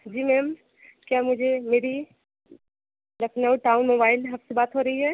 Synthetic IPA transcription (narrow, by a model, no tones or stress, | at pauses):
d͡ʒiːmɛːm | kjaːmʊd͡ʒʱemeːɾi | lɐkʰnəuʈaːʊnmoːbaːɪlɦɐbsebaːt̪ɦoːɾɐɦiɦɛː